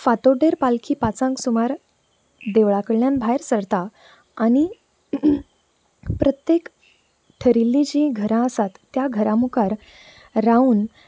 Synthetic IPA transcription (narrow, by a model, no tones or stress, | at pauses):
fat̪oɖeɾpalkʰiːpat͡sãŋksumaɾ | d̪eʋɭakəɭljanbʱajɾsəɾt̪a | añi | pɾət̪jek | ʈʰəɾilːid͡ʑiɡʱəɾãəsat̪ːjaɡʱəɾãmukaɾ | ɾauːn